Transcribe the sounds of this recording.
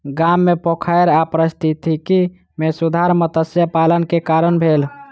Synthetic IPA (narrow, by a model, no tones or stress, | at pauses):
ɡamːepokʰaeɾapɾəst̪ʰit̪iki | mesud̪ʱaɾmət̪əsjəpalənkekaɾənbʱel